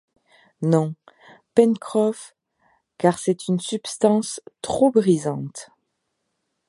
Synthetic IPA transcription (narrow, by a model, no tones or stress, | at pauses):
nɔ̃ | pɛnkχɔf | kaʁsɛt̪ynsypst̪ɑ̃st̪χobʁizɑ̃t̪